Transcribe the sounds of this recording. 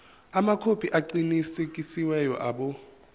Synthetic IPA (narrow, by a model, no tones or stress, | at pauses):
amakʰopʰiʔaǀinisekʼisiwɛjɔ̰ʔaːɓɔ